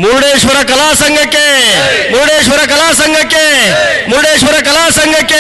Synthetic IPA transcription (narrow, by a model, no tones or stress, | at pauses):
muɾɽeːʃʋɐɾɐkɐlaːsɐŋɡʱɐkemuɾɽeːʃʋɐɾɐkɐlaːs̬ɐŋɡʱɐke | muɾɽeːʃʋɐɾɐkɐlaːsɐŋɡʱɐke